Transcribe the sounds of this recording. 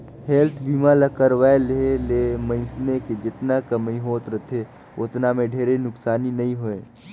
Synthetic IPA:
helt̪ʰbiːmalɐkəɾʋaːeleːleːmə̃ɪ̃sneked͡ʒɪt̪nakəmĩɦoːt̪ɾət̪ʰe | ʊt̪namẽɖʱeːɾenʊksaːninɐɦĩɦoeː

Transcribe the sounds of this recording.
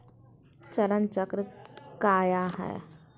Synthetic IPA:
t͡ʃɐɾənt͡ʃəkɾkaːjaɦɛ̰ː

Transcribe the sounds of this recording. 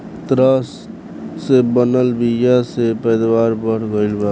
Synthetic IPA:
t̪ɾəsː | ebənəlbijasepəjd̪waːɾbəɽ̤ɡəɪlba

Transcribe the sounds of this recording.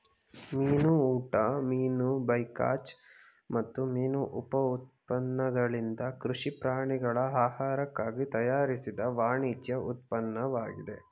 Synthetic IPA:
miːnuuːʈɐmiːnubɐjka̰ːt͡ʃ | mɐt̪ːumiːnuʔupɐut̪̚pɐnːɐɡɐɭind̪ɐkɾuʂipɾaːɳiɡɐɭɐaːhaːɾɐkːaːɡit̪ɐjaːɾisid̪ɐʋaːɳiːt͡ʃjɐut̪̚pɐnːɐʋaːɡid̪e̞̰

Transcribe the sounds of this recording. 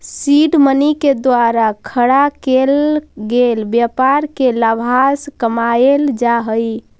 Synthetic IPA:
siɖməniked̪waɾakʰəɽakelɡelbjapaɾkelabʱaskəmaeld͡ʒaɦəj

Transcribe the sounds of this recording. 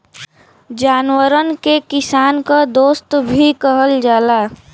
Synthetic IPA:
d͡ʒaːnwəɾənkekɪsaːnkad̪oːst̪bʱikəɦəld͡ʒaːla

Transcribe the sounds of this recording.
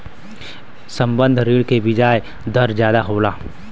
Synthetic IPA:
sɐ̃mbə̃nd̪ʱɾiːɭkebɪd͡ʒaːj | d̪ɐɾd͡ʒjaːd̪aɦoːlaː

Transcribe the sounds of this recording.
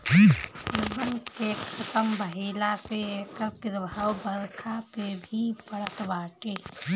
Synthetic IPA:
pʊɾbənkekət̪əmbəɦiːlasekəpɪɾbʱawbəɾkʰapebʱipəɽ̤ət̪baːʈe

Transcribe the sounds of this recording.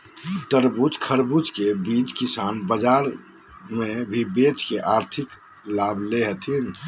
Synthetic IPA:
ʈəɾbut͡ʃkʰəɾbut͡ʃkebid͡ʒkisaːnbəd͡ʒaːɾmẽbʱibet͡ʃkeʔaːɾt̪ʰɪklaːbleɦət̪ʰin

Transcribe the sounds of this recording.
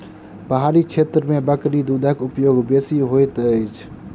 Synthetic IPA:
bəɦaːɾikt͡ʃʰeːt̪ɾəmẽbəkɾid̪ud̪ʱəkʊpjoːɡbeːsiɦojt̪əɪt͡ʃʰ

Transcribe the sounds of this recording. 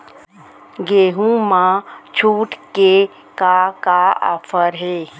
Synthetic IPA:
ɡeːɦũmãt͡ʃʰuːʈke | kakaɔ̰pʰəɾɦeː

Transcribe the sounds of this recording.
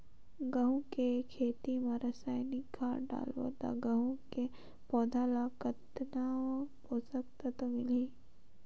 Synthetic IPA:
ɡɐɦũkekʰeːt̪imaɾɐsaːjnɪkːaːɾɖa̰ːlʋo̰d̪a̰ɡɐɦũke | pɔːd̪ʱalakət̪napoːsəkt̪at̪omɪliː

